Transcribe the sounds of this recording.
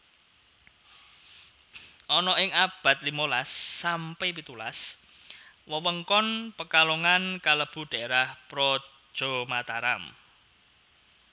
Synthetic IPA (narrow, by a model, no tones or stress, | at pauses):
ʔɔnɔʔɪŋab̥a̤t̪̚limolasːampepit̪ula̰s | wəwəŋkɔnpəkaloŋankaləb̥ṳɖ̥a̤eɾahpɾɔ̥ | ʒ̥o̤mat̪aɾam